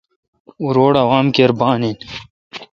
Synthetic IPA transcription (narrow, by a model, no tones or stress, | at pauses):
uɾoːɽawaːmkeːɾbɑːnin